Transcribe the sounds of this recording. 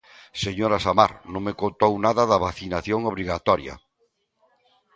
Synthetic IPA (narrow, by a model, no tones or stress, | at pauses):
seɲoɾasamaɾnõŋmekont̪ownaðɐðaβaθinaθjoŋoβɾiɣat̪ɔɾja̰